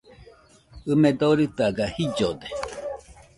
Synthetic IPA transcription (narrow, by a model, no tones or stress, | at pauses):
ɨmed̪oɾɨt̪aɡahid͡ʒod̪e